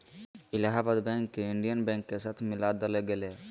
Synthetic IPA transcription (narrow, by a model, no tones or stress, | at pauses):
ɪlaɦabəd̪bɛ̃ːŋkːeɪɳɖijənbɛ̃ːŋkːesaːt̪ʰmɪlaːd̪əleɡele